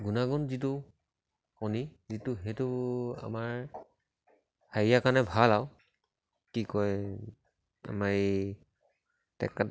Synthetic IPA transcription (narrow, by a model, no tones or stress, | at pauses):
ɡunaɡɔnzitʊ | kɔnizitʊɦetʊa̰maɹ | haijakanɛbʱalaʊ | kikɔj | a̰maɹ | tɛ̰ka